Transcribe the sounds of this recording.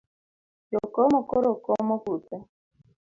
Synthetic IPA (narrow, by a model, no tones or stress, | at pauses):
jɔkɔmɔkɔɾokɔmɔkuta